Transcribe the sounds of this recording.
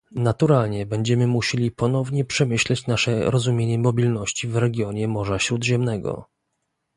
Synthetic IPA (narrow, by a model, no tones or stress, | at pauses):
nat̪uɾalɲɛbɛɲd͡ʑɛmɘmuɕelʲipɔnɔvɲɛpʂɛmɘɕlɛt͡ɕnaʂɛɾɔzumʲjeɲɛmɔbʲilnɔɕt͡ɕivɾɛɡʲjɔɲɛmɔʐaɕɾud̪ʑɛmnɛɡɔ̰